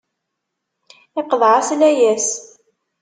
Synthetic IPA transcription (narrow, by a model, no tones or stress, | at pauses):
ɪqəðˤʕaslæjæs